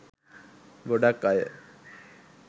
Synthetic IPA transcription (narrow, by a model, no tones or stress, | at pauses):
ɡoɖakːajə̰